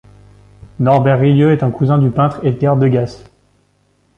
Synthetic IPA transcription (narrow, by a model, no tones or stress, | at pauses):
nɔʁbɛʁːijøɛt̪ɛ̃kuzɛ̃d̪ypɛ̃t̪χet̪ɛʁd̪əɡʲas